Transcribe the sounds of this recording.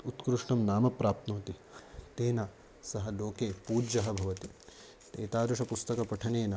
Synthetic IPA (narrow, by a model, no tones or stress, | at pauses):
ut̪kɾuʂɳɐmnaːmɐpɾaːp̚t̪noːt̪it̪eːnɐ | sɐɦɐloːkeːpuːd͡ʒɐɦɐbʱɐʋɐt̪i | t̪eːt̪aːd̪ɾuʂɐpust̪ɐkɐpɐʈʰɐneːnɐ